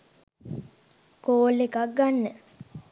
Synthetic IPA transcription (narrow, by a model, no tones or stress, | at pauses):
koːlːekak̚ɡanːə